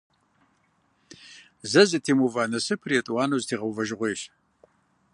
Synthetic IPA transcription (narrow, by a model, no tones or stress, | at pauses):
zɐzɨtʰiːmuvaːnɐsɨpʰriɛtʼwaːnowztʰeːʁɐwvɐʒɪʁʷeːɕ